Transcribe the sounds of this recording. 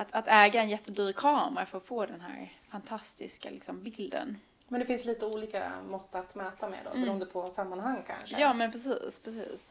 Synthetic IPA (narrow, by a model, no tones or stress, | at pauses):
at̪at̪ɛːɡaɛnjɛt̪ːəd̪yːɾkʰɑːməɾafœɾɔfoːd̪ɛnɦæ̰ːɾfant̪ʰast̪ɪ̰ska̰lɪksɔmbɪld̪ə̰n | mɛnd̪ɛfɪnsliːt̪əuːliːka̰mɔt̪ːat̪mɛːt̪amɛ̰d̪ɔ̰bbɛɾuːənd̪əpʰɔsamːanɦaŋːkʰa̰nʂjɑːmɛnpʰɾɛsiːspʰɾɛsḭːs